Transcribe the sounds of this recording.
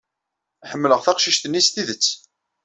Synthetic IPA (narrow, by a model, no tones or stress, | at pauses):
ħəmːləʁθæqʃiʃt̪ənːist̪iðət͡sː